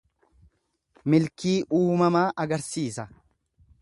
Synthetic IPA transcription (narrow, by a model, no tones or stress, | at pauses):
mɪlkiːʔuːmɐmaːʔɐɡɐɾsiːsɐ